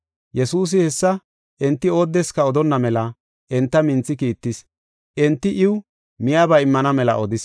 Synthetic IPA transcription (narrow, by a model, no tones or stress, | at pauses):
jɛsuːs̬ɪhɛsːɐ | ʔɛnt̪ːɪo̞ːd̪ːɛskɐɔd̪ɔnːɐmɛlɐ | ʔɛnt̪ːɐmɪnt͡sːɪkiːt̪ːɪs | ʔɛnt̪ːɪʔɪw | mɪjaːbɐɪmːɐnɐmɛlɐ̰ʔɔd̪ɪs